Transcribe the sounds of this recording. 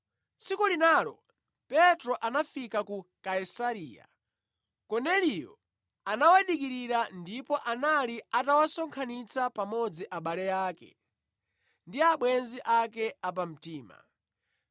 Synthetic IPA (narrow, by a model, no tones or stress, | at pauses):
t͡sikulinalɔ | pɛtɾɔʔanafikakukaisaɾiːja̰ | kɔnɛlijɔ̰ | anawaɗikiɾiɾandipɔʔanaliatawasɔŋkʰanit͡sapamɔd͡ziʔaɓalɛjaːkɛ̰ | ndiaɓwɛnziʔakɛap̬am̩tiːma̰